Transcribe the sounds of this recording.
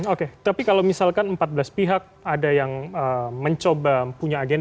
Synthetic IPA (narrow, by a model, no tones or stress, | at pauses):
oket̪apikalawmisalkanəmpat̪̚bəlaspiɦak̚adajaŋəməɲt͡ʃobapuɲaːɡen